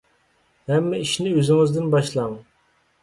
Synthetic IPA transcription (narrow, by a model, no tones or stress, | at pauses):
hɛmːɛiʃnɪøzɪŋɪzd̪ɪnbɑʃlˠɑŋ